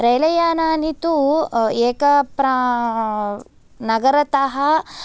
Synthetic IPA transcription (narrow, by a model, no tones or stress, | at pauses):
ɾɐjlɐjaːnaːnit̪ueːkɐpɾa | nɐɡɐɾɐt̪ɐɦɐ